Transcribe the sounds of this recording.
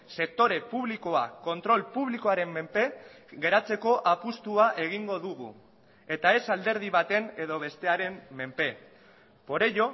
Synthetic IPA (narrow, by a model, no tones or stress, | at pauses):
se̞k̚t̪o̞ɾe̞puβliko̞ako̞nt̪ɾo̞lpuβ̞likoaɾe̞mːe̞mpe̞ | ɣe̞ɾat͡se̞ko̞ʔapust̪uaʔe̞ɣ̞iŋɡo̞ðuɣ̞ṵ | e̞t̪ae̞sald̪e̞ɾð̞iβat̪e̞ne̞ðo̞β̞e̞st̪e̞aɾe̞mme̞mpe̞ | po̞ɾejo̞